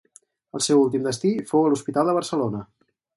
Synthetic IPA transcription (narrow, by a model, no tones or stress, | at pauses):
ə̰lˠsɛwulˠt̪imd̪əst̪ifowəluspit̪alˠd̪əβəɾsəlonə